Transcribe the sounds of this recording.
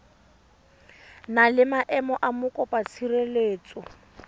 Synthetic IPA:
nalɪmaʔɛmɔʔamʊkʼɔpʼat͡sʰireleːt͡sʼɔ

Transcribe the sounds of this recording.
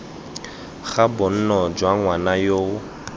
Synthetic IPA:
ɣabʊn̩nɔd͡ʒwaŋwanajoː

